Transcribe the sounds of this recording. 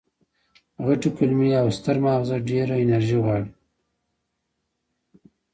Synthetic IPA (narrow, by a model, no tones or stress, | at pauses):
ɣaʈikʊlmiawst̪aɾmawzaɖeɾaɪnaɾʒiɣɑɽi